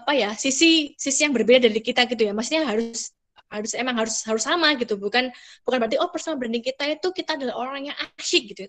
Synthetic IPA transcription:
apajasisisisijaŋbərbedadaɾikit̪aɡit̪ujamasuɲaɦaɾʊs | haɾʊsemaŋɦaɾʊshaɾʊsːamaɡit̪ubukanb̥ukanbəat̪iʔɔpərsonabəɾandiŋkit̪ait̪ukit̪aːdalahoɾaŋjaŋaʃɪk̚ɡit̪u

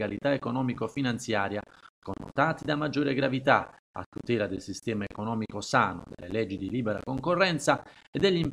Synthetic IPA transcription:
alit̪aekonɔːmikofinant̪sjaːɾjakonːo̰t̪aːt̪id̪amad͡ʒːoːɾeɡɾavit̪a | a̰t̪ːut̪ɛːlad̪elsist̪ɛːmaekonɔːmikosaːno̰d̪ḛlːelɛd͡ʒːid̪iliːbɛɾa̰koŋkorːɛnt̪sa | ɛd̪ːɛʎːim

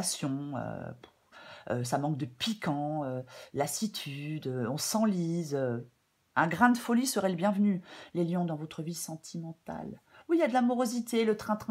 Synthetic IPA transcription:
sjɔ̃ø̰ | øsamɑ̃kd̪əpikʰɑ̃ølasit̪ʰyd̪øɔ̃sɑ̃lizø | ɛ̃ɡʁɛ̃d̪fɔlisəʁɛləbjɛ̃vnyleljɔ̃d̪ɑ̃vot̪χəvisɑ̃t̪ʰimɑ̃t̪a̰l | wijad̪əlamɔʁozit̪elət̪χɛ̃t̪χɛ̃

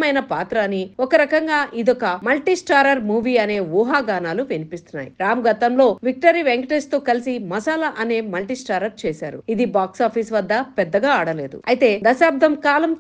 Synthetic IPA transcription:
mɐjnɐpaːt̪ɾɐːniɔkɐɾɐkɐŋɡaːʔʔid̪ɔkɐmɐlʈisʈaːɾɐɾmuːʋiːɐne̞ːʋuːɦaːɡaːnaːluʋinipist̪unːa̰ːjḭɾaːmɡɐt̪ɐmlo̞ːʋik̚ʈɐɾiʋeŋkʈest̪oːkɐlisimɐsaːlɐʔɐne̞ːmɐlʈisʈaːɾɐɾt͡ʃeːsaːɾṵid̪ibaːksaːpʰiːsʋɐd̪ːɐpɛd̪ːɐɡaːaːɽɐle̞ːd̪ṵɐ̰jit̪e̞ːd̪ɐsaːb̚d̪ʱɐmkaːlɐm

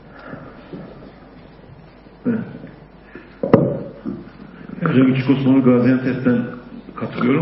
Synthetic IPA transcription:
ɛ | ɛd͡ʒaɡit͡ʃʰi̥kʰoskonuɡaːzijant̪ʰɛsd̪ænkʰat̪ʰɯlˠɯjo̞ɾu

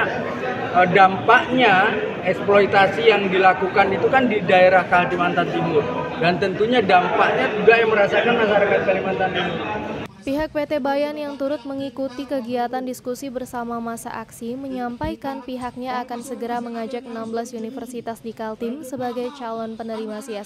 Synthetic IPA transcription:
ədampaʔɲa | ɛksploit̪asijaŋdilakukanit̪ukandidaeɾahkaɦatimant̪ant̪ibʊr | dant̪ənt̪uɲadampaʔɲad͡ʒuɡajaŋməɾasakanmaʃaɾakat̪̚kalimant̪aninipiɦak̚pet̪ebajanjaŋt̪uɾʊt̪̚məŋikut̪ikəɡiat̪andiskusibərsamamasa̰ʔaksiməɲampajkanpiɦak̚ɲaːkansəɡəɾaməŋad͡ʒak̚ənambəlasunifərsit̪asdikalt̪ɪmsəbaɡajt͡ʃalɔnpənəɾimasias

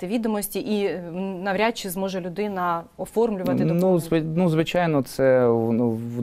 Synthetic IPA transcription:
t̪ɪʋʲid̪ɔmɔsʲtʲiʔinɐʋɾʲat͡ʃːizmɔʒɛlʲʊd̪ɪnɐɔfɔrmlʲʊʋɐt̪ɪnuzʋɪnuzʋɪt͡ʃajnɔt̪sɛnu

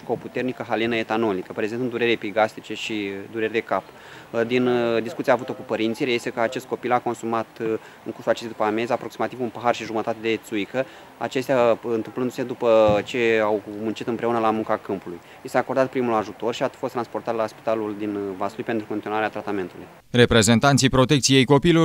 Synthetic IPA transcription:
koput̪e̞rnikəɦalinəe̞t̪ano̞likəpɾezet̪ɨnd̪uɾe̞ɾepiɡast̪it͡ʃe̞ʃid̪uɾerʲd̪e̞kap | d̪ind̪iskut̪sijavut̪okupəɾint̪sijɾeest̪ekəat͡ʃe̞st̪ko̞pilako̞nsumat̪ | ɨŋkursulat͡ʃe̞st̪jd̪upəame̞zapɾo̞ksimat̪ivunpəɦarʃiʒumət̪at̪e̞d̪e̞t̪sujkə | a̰t͡ʃe̞st̪eaɨnt̪ɨmplɨnd̪use̞d̪upət͡ʃe̞awmunt͡ʃit̪ɨmpɾe̞unəlamuŋkakɨmpuluj | jist̪eako̞rd̪at̪pɾimulaʒut̪o̞rʃiafost̪ɾanspo̞rt̪at̪laspi̥t̪aluld̪invasulujpent̪ɾukont̪inoaɾeat̪ɾat̪ame̞nt̪uluj | re̞pɾe̞ze̞nt̪ant̪sijpɾo̞t̪e̞kt̪sije̞jko̞pilo

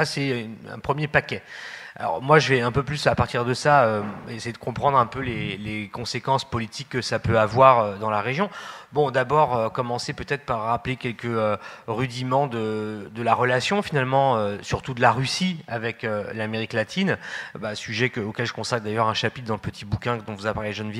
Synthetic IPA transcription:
sasɛɛ̰̃pχəmjepakʲɛa̰lɔ̰ʁmwaʒəvɛɛ̃pøplysapaʁt̪iʁd̪əsaøesɛd̪əkɔ̃pχɑ̃d̪ʁɛ̃pølelekɔ̃sekɑ̃spɔlit̪ʰikːəsapøavwaʁød̪ɑ̃laʁeʒjɔ̃bɔ̃d̪abɔʁøkɔmɑ̃sepøt̪ɛt̪χpaʁːaplekʲɛlkəøʁyd̪imɑ̃d̪əd̪əlaʁəlasjɔ̃finalmɑ̃øsyʁt̪ud̪əlaʁysiavɛkølameʁiklat̪ʰinbasyʒɛkəokʲɛlʒəkɔ̃satkd̪ajœʁɛ̃ʃapit̪̚d̪ɑ̃ləpət̪ʰibukʲɛ̃d̪ɔ̃vuzapaʁleʒənvj

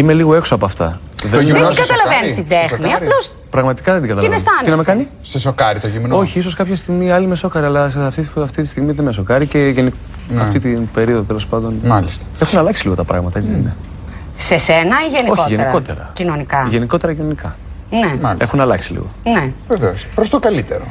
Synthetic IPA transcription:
ime̞liɣoe̞ksoɐpoɐft̪ɐ̰ | ðeɡɐt̪ɐlɐvenist̪id̪exniɐlos | pɾɐɣmɐt̪i̥kɐðend̪iɡɐt̪ɐlɐnest̪ɐninɐmekɐni | sesokɐɾit̪oimeo̞çiiso̞skɐpçɐst̪iɣmiɐliimeso̞kɐɾiɐlɐsɐft̪iɐft̪it̪ist̪iɣmiðenmeso̞kɐɾice̞ʝeni | ɐft̪it̪inbe̞ɾio̞ðot̪e̞lo̞spɐnd̪o̞nmɐlist̪ɐexunɐlɐksiliɣot̪ɐpɾɐ̰ɣmɐt̪ɐet͡sine | sesenɐiʝeniokoçtʝeniɾo̞t̪ḛɾɐ̰cinonikɐʝe̞niko̞t̪e̞ɾɐcinonikɐ | nemɐlie̞xunɐlɐksilḭɣo̞̰neveveospɾost̪okɐlit̪eɾo̰

